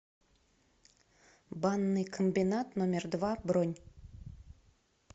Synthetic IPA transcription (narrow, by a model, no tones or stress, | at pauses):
banːɨjkʰombʲinat̪nomʲerd̪vabɾonʲ